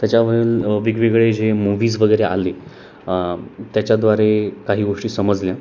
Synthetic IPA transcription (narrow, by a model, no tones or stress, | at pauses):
t̪jat͡ɕjaʋəiːlʋiɡʋiɡɭed͡ʑemuʋiːd͡zʋəɡəjɾeʔa̰le | t̪jat͡ɕjad̪ʋaɾekaɦiːɡoʂʈiːsəməd͡zlja